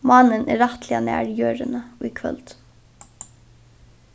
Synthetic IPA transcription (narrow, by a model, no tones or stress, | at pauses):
mɑːnənʔɛ̰ːɾɑt̪ʰlɪɑnæ̰ːɹjøːɹənəuːkʰʋœ̰lt̪